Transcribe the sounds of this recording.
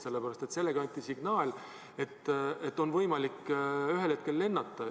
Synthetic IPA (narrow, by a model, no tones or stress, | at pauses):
se̞lːepæɾɑst̪e̞t̪se̞lːe̞ɡ̥ɑɑnʲt̪ʲːˑisiɡ̥nɑːlʲ | e̞t̪ːe̞t̪ːo̞nvɤjmɑlikːyɦelhe̞t̪̚ke̞lːe̞nːɑt̪ˑːɑ